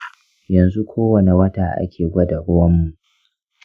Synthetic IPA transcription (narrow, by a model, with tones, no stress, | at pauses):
jɐ˨nzu˦kʷʰoː˦wɐ˨ne˨wɐ˦taː˨ʔa̰˦kʲʰeː˨ɡʷɐ˦dɐ˨ɽʊ˦wɐ˦mːu˨ʔʔ